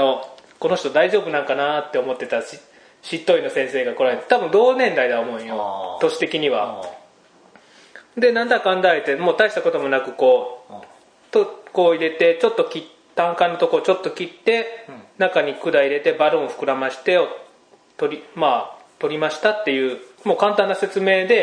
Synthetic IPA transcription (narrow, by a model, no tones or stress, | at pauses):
oko̞no̞ɕi̥t̪od̪aiʑo̞ːbɯ̟nãŋkanat̪ːe̞o̞mo̞t̪ːe̞t̪aɕi | ɕit̪ːo̞ino̞sẽ̞ɰ̃se̞ːɡako̞ɾaɦet̪t̪abɯ̟̃nd̪o̞ːnẽ̞nd̪aid̪aomo̞ɯ̟̃jot̪o̞ɕi̥t̪e̞kʲiɲ̟iβa | d̪e̞nãnd̪akãnd̪aet̪emo̞ːt̪aiɕi̥t̪ako̞t̪o̞mo̞nakɯ̟ko̞ː | t̪oko̞ːiɾe̞t̪e̞t͡ɕo̞t̪ːo̞kʲi | t̪ːãŋkãnːot̪o̞koːt͡ɕo̞t̪ːo̞kʲit̪ːe̞nakaɲ̟ikɯ̟d̪aiɾe̞t̪e̞baɾõɰoɸɯ̟̥kɯ̟ɾamaɕi̥t̪e̞o | t̪o̞ɾʲimaːt̪o̞ɾʲimaɕi̥t̪at̪ːe̞jɯ̟ːmo̞ːkãnt̪ãnːase̞t͡sɨme̞ːd̪e̞